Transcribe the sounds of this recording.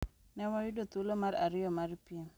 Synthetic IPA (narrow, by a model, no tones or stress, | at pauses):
newajudot̪ulomaɾaɾijomaɾpiam